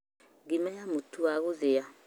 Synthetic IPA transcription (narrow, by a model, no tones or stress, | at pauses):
ɡimɛjamotuaɣoðea